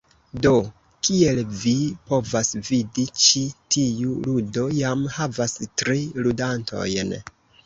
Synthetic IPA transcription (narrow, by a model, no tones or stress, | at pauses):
do̞ | kie̞lvipo̞vasvidit͡ʃitʰiuludo̞jamhavastɾiludantʰo̞̰jn